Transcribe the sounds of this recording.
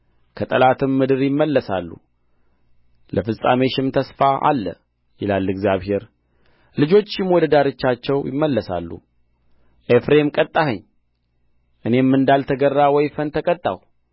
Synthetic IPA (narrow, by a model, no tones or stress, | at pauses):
kʰət̪ʼəlat̪ʰɨmːɨd̪ɨɾjɪmːəlːəsalːṵ | lʔəfɨsʼame̞ʃɪmt̪ʰəsfaʔa̰lːə̰ | jɪlalːɨɡzjaβhe̞ɾ | lɨd͡ʒo̞t͡ʃːɪmwɔd̪əd̪aɾɨt͡ʃːat͡ʃːɛwjɪ̰mːəlːəsa̰lːṵ | ʔefɾe̞mkʼət̪ʼːahəɲː | ʔɨne̞mːɨnd̪alt̪ʰəɡərːawɔjfənt̪ʰəkʼət̪ʼːa̰w